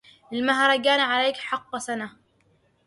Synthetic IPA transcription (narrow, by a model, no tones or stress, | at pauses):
ʔɪlmaɦɾˤɑɡaːnaʕalajːkħɑqːsana